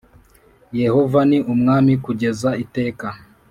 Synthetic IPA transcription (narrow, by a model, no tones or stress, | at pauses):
je̞ho̞vaniʔumŋaːmikuɟe̞zaite̞ːka